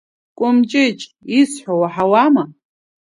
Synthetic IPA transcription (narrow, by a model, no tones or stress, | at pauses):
kʷʼʊmt͡ʃʼɪt͡ʃʼisħʷowaħawama